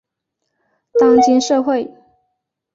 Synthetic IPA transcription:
t̪ɑ˥ŋt͡ɕi˧˥nʂɤ˥˧xwe˥˩ɪ

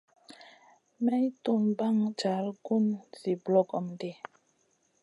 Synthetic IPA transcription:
mɛ˦i˦tu˦˨mba˦˨ŋd͡ʒa˨˦lɡu˦nzi˨blɔ˦˨kɔ˨mde˦˨

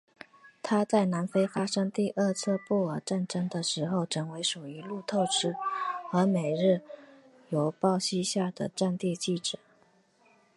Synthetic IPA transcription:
t̪ʰa˥t͡sa˥˩ɪna˧˥nfe˥ɪfa˥ʂɤ˥ŋt̪i˥˧ʔə˥˧t͡sʰɤ˥˧pu˥˩ə˨˧˥ʈ͡ʂa˥˧nʈ͡ʂə˥ŋd̪ə˨ʂɻ̩˧˥xo˥˩ʊʈ͡ʂʰɤ˧˥ŋwe˧˥ɪʂu˨˩i˧˥lu˥˧t̪ʰo˥˧ʊʈ͡ʂɻ̩˥xɤ˧˥me˨˩ɪɻɻ̩˥˩ | jo˨˧˥ʊpɑ˥˩ʊɕi˥ɕja˥˩d̪ə˩ʈ͡ʂa˥˧nt̪i˥˧t͡ɕi˥˩ʈ͡ʂɻ̩˨˩˦

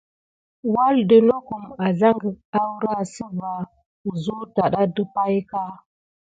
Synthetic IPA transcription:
wa˦ldə˦no˦ku˨ma˨za˦ŋɡə˨a˦wɾa˦si˦va˨ | zu˦ta˨ɗa˦də˦pa˦jka˦

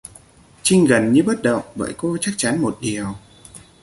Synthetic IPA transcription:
t͡ɕï˧ŋ̟ɣə˨˩nɲɨ˧ɓə˦˥t̚ɗə̰˧˨wŋ͡mɓə̰ː˧˨jko˧t͡ɕa˦˥k̚t͡ɕa˨˦nmo˨˩t̚ɗi˨˩əw

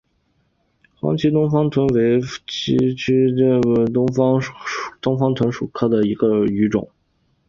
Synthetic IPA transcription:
xwɑ̰˧˥ŋt͡ɕʰi˧˥t̪ʊ˥ŋfɑ˥ŋt̪ʰwə˧˥nwe˧˥ɪt͡ɕi˥t͡ɕʰy˥˩˥t̪ʊ˥ŋfɑ˥˨t̪ʊ˥ŋfɑ˥ŋt̪ʰwə˧˥nʂu˨˩kʰɤ˥˩d̪ə˩i˧˥ɡə˧y˧˥ʈ͡ʂʊ̰˨˩˦ŋ

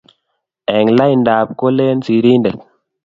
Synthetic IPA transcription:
ɛ˨ŋla˦jndaː˨p̚ko˦le˦nsi˨ɾi˦ndɛ˨k

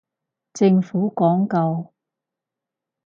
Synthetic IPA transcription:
t͡sɪ˧ŋfuː˨˥kɔː˨˥ŋkɐ˧w

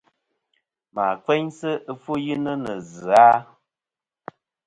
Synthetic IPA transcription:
maː˨kwe˦ɲsɨ˦ʔə˦fu˦ji˦nə˦nə˨zɨ˨a˦

